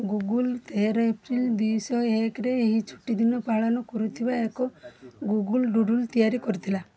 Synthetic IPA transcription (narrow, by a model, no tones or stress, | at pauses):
ɡuɡult̪eɾɔepɾild̪isɔekɾeːɦit͡ʃʰu̥ʈːid̪inɔpaɭɔnɔkɔɾut̪ʰibaekɔɡuɡulɖuɖult̪ijaɾikɔɾit̪ʰila